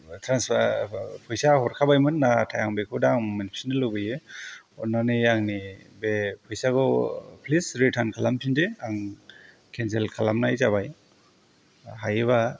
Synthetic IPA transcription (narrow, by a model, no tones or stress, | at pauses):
tʰɾans | pʰɔjsahɔɾkʰabajmɯnːatʰajaŋbekʰudaŋmanipʰe̥snɯlobɯjɯ | ɔnanɯaŋnibepʰɔjsaɡɔpʰlisɾitʰankʰalampʰindeaŋ | kʰenselkʰalamnajzabaj | ɦajeβa